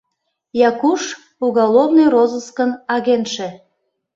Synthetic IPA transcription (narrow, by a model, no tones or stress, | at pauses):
jɑkuʃ | uɣɑlˠovnojrozəskənɑɣenʃĕ